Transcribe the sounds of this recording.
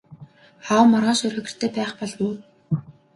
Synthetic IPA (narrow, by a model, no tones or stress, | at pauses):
aːwmɔrʁɔːnʃʊrœ̆ɣɪ̆r̥t̪ʰeːpæːχpɔɮwuː